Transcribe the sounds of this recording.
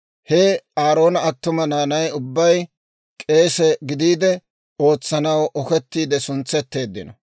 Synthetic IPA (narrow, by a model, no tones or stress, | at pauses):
hɛaːɾo̞ːnɐɐt̪ːʊmɐnaːnɐjʊbːɐj | kʼe̞ːsɛɡɪd̪iːd̪ɛ | o̞ːt͡sːɐnɐwʔɔkɛt̪ːiːd̪ɛsʊnt͡sːɛt̪ːe̞ːd̪ːɪnɔ